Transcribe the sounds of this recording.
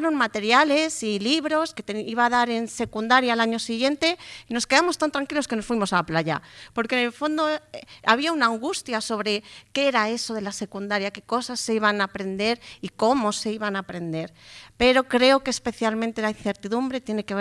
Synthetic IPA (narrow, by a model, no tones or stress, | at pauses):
ɾonmat̪e̞ɾjale̞siliβɾo̞ske̞t̪eniβaðaɾe̞nse̞kund̪aɾjalaɲo̞siɣje̞nt̪eino̞ske̞ðamo̞st̪ant̪ɾaŋkilo̞ske̞nosfwimo̞salaplaʝa̰po̞ɾkenelfo̞nd̪oa̰β̞iaunaːŋɡust̪jaso̞β̞ɾe̞ke̞eɾae̞so̞ðe̞lase̞kund̪aɾjake̞ko̞sasːeiβanapɾe̞nd̪e̞ɾiko̞mo̞se̞iβanapɾe̞nd̪e̞ɾpe̞ɾo̞kɾe̞o̞keːspe̞θjalmẽnt̪e̞lain̟θe̞ɾt̪iðumbɾe̞t̪je̞ne̞ke̞β